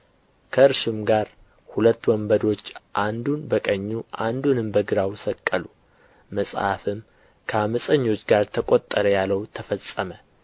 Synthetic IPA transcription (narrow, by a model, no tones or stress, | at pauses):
kʰəɨɾʃɪmɡaɾ | hulət̪ːwɔmbəd̪o̞t͡ʃːʔand̪unbəkʼəɲːuʔand̪unɨmbəɡɨɾawsəkʼːəlu | məsʼha̰fɨm | kʰəaməsʼəɲːo̞t͡ʃːɡaɾt̪ʰəkʼo̞t̪ʼːəɾəjalːəwt̪ʰəfəsʼːəmə